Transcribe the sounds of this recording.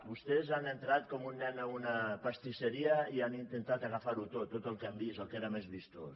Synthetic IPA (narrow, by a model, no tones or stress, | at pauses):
bust̪ɛzanənt̪ɾat̪kɔmunːɛnəunəpəst̪isəɾiəianint̪ent̪at̪əɣafaɾut̪ot̪ːot̪əlˠkambisəlˠkeɾəmezβist̪os